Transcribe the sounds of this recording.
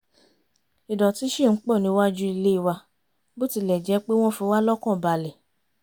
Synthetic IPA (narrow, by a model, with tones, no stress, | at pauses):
i˨dɔ˨ti˨˦ʃi˦˨n̩˨˦k͡pɔ˦˨nĩ˧˦wa˦d͡ʒu˦i˧le˦i˧˨wa˧ | bo˦ti˧˦lɛ˨d͡ʒɛ˨˦k͡pe˦w̃ɔ̃˦fi˧˦wa˦lɔ˦kɔ̃˦˨ba˨lɛ˨